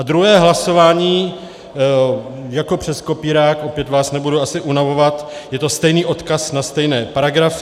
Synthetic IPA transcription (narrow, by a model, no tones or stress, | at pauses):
ad̪ɾuɦɛːɦlaso̞vaːɲiː | jako̞pr̝̥ɛsko̞piːɾaːkʔo̞pjɛt̪vaːsnɛbuduasɪʔunavo̞vat̪jɛt̪o̞st̪ɛjniːʔo̞t̪kasnast̪ɛjnɛːpaɾaɡɾaf